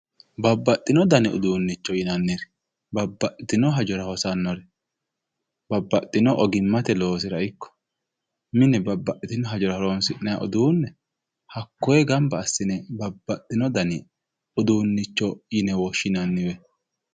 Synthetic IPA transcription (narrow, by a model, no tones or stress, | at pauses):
bɐbːɐt̪ʼːɪnɔd̪ɐnɪʊ̰d̪uːnːɪt͡ʃːɔjɪnɐnːɪɾ | bɐbːɐʔɪt̪ɪnɔɦɐd͡ʒɔɾɐhɔsɐnːɔɾɛ | b̥ɐbːɐt̪ʼːɪnɔʔɔɡɪmːɐt̪ɛlo̞ːs̬ɪɾɐɪkːɔ̥ | mɪnɛbɐbːɐʔɪt̪ɪnɔɦɐd͡ʒɔɾɐhɔɾonsɪʔnɐja̰ʔɔd̪uːnːɛ | hɐkːɔjɛɡɐmbɐːsːɪnɛbɐbːɐt̪ʼːɪnɔd̪ɐnɪ | ʊd̪uːnːɪt͡ʃːɔjɪnɛwɔʃːɪnɐnːɪwɛ